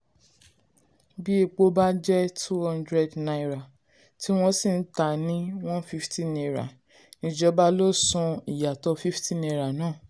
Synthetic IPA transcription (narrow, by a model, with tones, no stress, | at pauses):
bi˦e˧k͡po˧ba˦d͡ʒɛ˦tʰu˦hɔ̃˦ndɾɛ˧dna˧i˦ɾa˨ | ti˦w̃ɔ̃˦si˦˨n̩˦ta˨nĩ˦w̃ɔ̃˦fi˦ftĩ˦˨nɛ˧ɾa̰˨ | nĩ˧d͡ʒɔ˧˦ba˦lo˦sũ˧i˨ja˨tɔ˧fi˦ftĩ˦˨nɛ˧ɾa˨nãː˦˨